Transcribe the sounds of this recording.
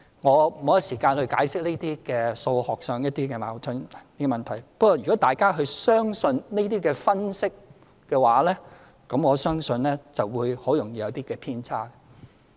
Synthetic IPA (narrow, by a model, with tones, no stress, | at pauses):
ŋɔː˨˧mo˨˧wjɐ˥siː˨˩kaː˧nhɵ˧ɥkaː˨˥jsɪ˥k̚le˥t̪iː˥kɛː˧so˧whɔː˨k̚sœː˨˧ŋjɐ˥t̚t̪iː˥kɛː˧ma̰ː˨˩wtʰʊ˨˥n˨niː˥ɛ˨mɐ˨nt̪ʰɐ˨˩jpɐ˥k̚kɔː˨˩jyː˨kɔː˨˥t̪aː˨˩jkaː˥ɦɵ˧sœː˥ŋsɵ˧nne˥t̪iː˥kɛː˧fɐ˥nsɪ˥k̚ː | ɛː˧waː˨˥lɛː˥ | kɐ˨˥mŋɔː˨˧sœː˥ŋsɵ˧nlɛː˥t͡sɐ˨wwuː˨˧jho˨˥wjʊ˨˩ŋjiː˧jɐ˨˧wt̪iː˥kɛː˧pʰiː˥nt͡sʰaː˥kɛ